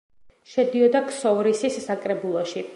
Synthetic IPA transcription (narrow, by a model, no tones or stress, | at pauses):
ʃɛd̪iɔd̪aksɔɾisisːakʼɾɛbulˠɔʃi